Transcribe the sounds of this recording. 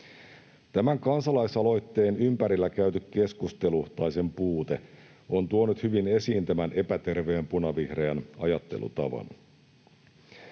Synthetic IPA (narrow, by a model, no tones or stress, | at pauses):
t̪æmæŋkɑnsɑlɑjsɑlo̞jt̪ːe̞ːnympæɾilːækæyt̪ykke̞skust̪e̞luuht̪ɑjse̞mpuːt̪e̞ | o̞nt̪uonut̪hyʋine̞siːnt̪æmænʔe̞pæt̪e̞rʋe̞ːmpunɑʋihreɑnɑjɑt̪ːe̞̰lṵt̪ɑʋɑ̰n